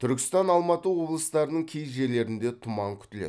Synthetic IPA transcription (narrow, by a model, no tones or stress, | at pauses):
t̪ʰʏɾkʲɪ̥st̪ɑnɑlˠmɑt̪əwo̞blˠəst̪ɑɾənəɴkʲʰejʒe̞ɾle̞ɾɪnd̪e̞t̪ʰʊmɑŋkʲʰʏ̥t̪ɪlḛ